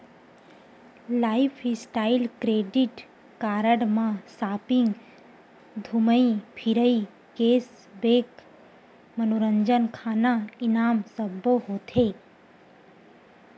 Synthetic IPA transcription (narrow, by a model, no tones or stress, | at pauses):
laːɪpʰɪsʈaːɪlkɾeːɖɪʈ | kaːɾəɽmãsaːpɪ̃ŋɡ | d̪ʱuməipʰɪɾəi | keːs | beːk | mənoɾəɲd͡ʒənkʰaːnaɪnaːmsəboɦoːt̪eː